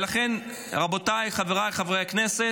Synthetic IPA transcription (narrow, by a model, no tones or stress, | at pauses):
laχe̞n | ʁabo̞tajχaveʁaleχavʁejaknese